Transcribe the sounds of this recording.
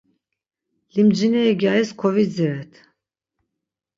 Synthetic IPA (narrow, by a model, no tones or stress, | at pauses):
limd͡ʒinɛːɡaiskʰɔvid͡ziɾɛt̪ʰ